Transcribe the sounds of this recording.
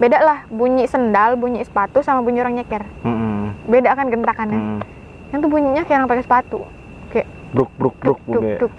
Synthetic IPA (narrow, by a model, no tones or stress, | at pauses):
bedaʔlahbuɲisəndalbuɲiʔsə̥pat̪usamabuɲioɾaŋɲakɛr | bedaʔkanɡənt̪akanja | jaŋt̪ubuɲiɲakɾaŋpakɛsə̥pat̪u | kajaʔ | bɾuk̚bɾuk̚buk̚dɛʊk̚